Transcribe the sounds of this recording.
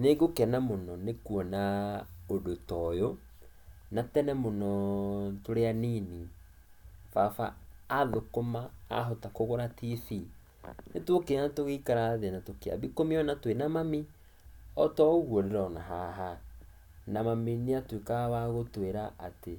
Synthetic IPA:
neɡokɛnamonɔnekuɔnaodotɔjo | natɛnɛmonɔtoɾeanini | fafaːðokoma̰ːɦotakoɣoɾatisi | netwokenatoɣeikaɾaðenatokea̰βikomiɔnatwenamami | ɔtɔɣwoɾeɾɔnaɦaɦa | namamineatwekawaɣotweɾaʔate

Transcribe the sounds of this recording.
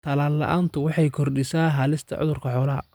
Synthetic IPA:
t̪ʰɐlaːlːɐ̰ʔaːnt̪ʰʊwɑħɑjkʰɔrɖɪsaːɦaːlɪst̪ʰɐ̰ʕʊ̰ðʊrkʰɐħɔːlɐɦɐ̰

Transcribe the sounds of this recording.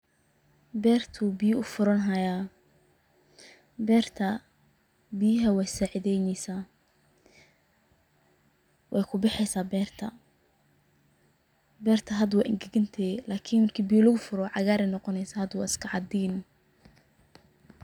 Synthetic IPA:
bɛːrt̪ʰubijʊfʊɾɐnɦɐjaː | bɛːrt̪ʰɐ | bɪjɪɦɐwɛjsaʕɪðɛjnɛjsaː | wʔɛ̰jkʰʊbɪħɛjsaːbɛːrt̪ʰɐ | bɛːrt̪ʰɐɦɐd̪wɛʔɪ̰ŋɡɛɣɐnt̪ʰɛːlaːkʰiːnmɐrkʰiːbijlɐɣʊfʊɾɔʕɑɣaːɾɛjnɔqɔnɛjsaːhɐd̪wɑ̰ːɪskʰɐʕɑd̪iːn

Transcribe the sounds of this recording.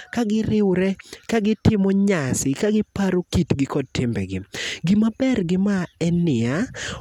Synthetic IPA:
kaɡɪɾɪwɾɛkaɡɪtɪmɔɲasɪkaɡɪpaɾokitɡɪkɔd̚tɪmbɛ̰ɡɪɡimabɛrɡɪmaɛnɪa

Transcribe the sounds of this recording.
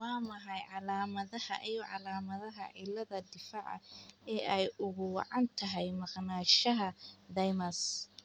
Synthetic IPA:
waːmɐɦɑjʕɑlaːmɐðɐɐ̰ʔijɔʕɑlaːmɐðɐɦɐ̰ʕɪlːɐðɐd̪ɪfaːʕɐ̰ɛːʔɛjʊɣʊwɑ̰ʕɑnt̪ʰɐɦɛjmɑqnaːʃɐɦɐd̪ɐjmɐs

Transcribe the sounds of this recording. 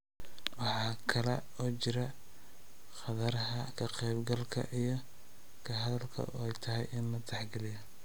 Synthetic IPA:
wɑħɑːkʰɐlɛ̰ | ɔːt͡ʃɪɾɐ | χɑðɐɾɦɐkʰɐqɛjbɡɐlkʰɐ̰ʔijɞ | kʰɐɦɐðɐlkʰɐ̰ɛjt̪ʰɐɦɛjɪnlɐt̪ʰɛħɡɐlɪjɐ

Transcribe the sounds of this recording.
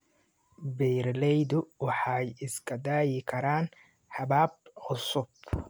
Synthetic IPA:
bɛjɾlɛjðʊwɑħɑjɪskʰɐd̪aːjɪkʰɐɾaːn | ħɑβaːb̚ʕʊsʊb̚

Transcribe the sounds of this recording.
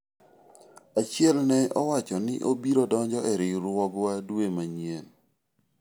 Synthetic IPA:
at͡ʃjɛlnɛʔɔwat͡ʃɔnɪ̰ʔobiɾodɔɲd͡ʒɔʔɛɾɪɾwɔɡwadwemaɲen

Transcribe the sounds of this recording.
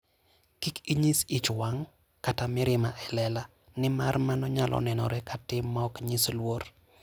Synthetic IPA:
kikiɲisit͡ʃwaŋ | katamɪɾɪmaʔɛlɛla | nɪmarmanɔɲalʔɔ̰nɛnɔ̰ɾɛkatɪmːaɔkɲislwoɾ

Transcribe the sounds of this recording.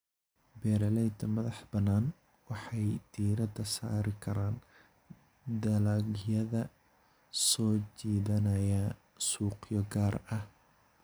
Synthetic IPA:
bɛːɾɐlɛjd̪ɐmɐðɑħbɐnːaːn | wɑħɑjd̪̥iːɾɐd̪ɐsa̰ːɾɪkʰɐɾaːn | d̪ɐlɐɡjɐðɐ | sɔːt͡ʃiːðɐnɐjaː | suːqjɔɡaːrɐh

